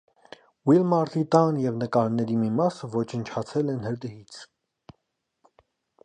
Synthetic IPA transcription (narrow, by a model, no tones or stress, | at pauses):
wilmɑɾt̪it̪ɑnjɛvnəkɑɾnɛɾimimɑsəvɔt͡ʃʰənt͡ʃʰɑt͡sʰɛlɛnhəɾd̪əɦit͡sʰ